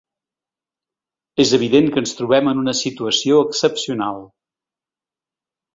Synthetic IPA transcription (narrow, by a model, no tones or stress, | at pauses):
ezəβ̞iðeŋkənst̪ɾuβ̞ɛmənunəsit̪uəsioəksəpsiunalˠ